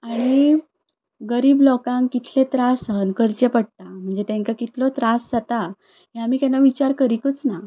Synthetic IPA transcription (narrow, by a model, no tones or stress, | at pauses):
aɽ̃i | ɡəɾiːblɔkãŋkkːit̪ʰlet̪ɾasɦənkəɾt͡ɕepəɽ̚t̪am̤əɳd͡zet̪ãŋkakit̪ʰlɔt̪ɾasd͡zat̪a | ɦeamiːkanaʋit͡ɕaɾkəɾikət͡sna